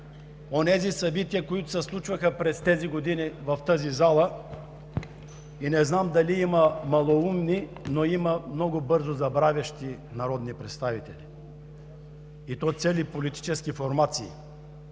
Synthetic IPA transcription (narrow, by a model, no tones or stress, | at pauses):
onɛzisɐbit̪iəkoit̪ʊsɛslˠut͡ʃvɐxəpɾɛst̪ɛziɡod̪inivɐft̪əzizalˠə | inɛznamd̪ɐliimɐmɐlˠoumninoimɐmnɔɡʊbɤɾzozɐbɾavʲɐʃt̪i | nɐɾɔd̪nipɾɛt̪st̪avit̪ɛ̰li | it̪ɔjt̪sɛlipolit̪i̥t͡ʃɛskifoɾmat̪sḭː